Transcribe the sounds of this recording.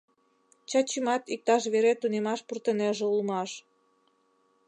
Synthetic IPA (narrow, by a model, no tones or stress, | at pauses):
t͡ɕɑt͡ɕimɑt̪ik̚t̪ɑʃ̬βeɾet̪unemɑʃpurt̪ə̆neʒĕulmɑʃ